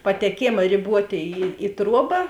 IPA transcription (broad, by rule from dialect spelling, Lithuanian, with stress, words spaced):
pɐtʲɛˈkʲeːmɐ rʲɪˈbuɔtʲeː ˈiː ɪ ˈtruɔbɐ